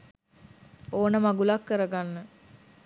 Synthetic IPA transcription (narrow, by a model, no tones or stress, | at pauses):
oːnəmaɡulakːəɾəɡanːə